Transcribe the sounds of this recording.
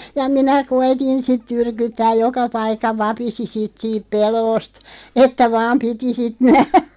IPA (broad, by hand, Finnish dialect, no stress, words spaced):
jɑ minæ koitin sit tyrkytːæːj̆ jokɑ pɑikːɑ ʋɑpisi sit siːp peloːst etːæ ʋɑːm piti sit næhræ̥